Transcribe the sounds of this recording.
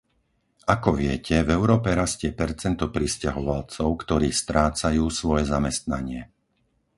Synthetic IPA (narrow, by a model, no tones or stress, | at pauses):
akɔʋɪɛcʰɛvɛʊɾɔːpɛɾascɪɛpɛɾt͡sɛnt̪ɔpɾiscaɦɔʋalt͡sɔʊkt̪ɔɾiːst̪ɾaːt͡sajuːsʋɔjɛzamɛst̪naɲɪɛ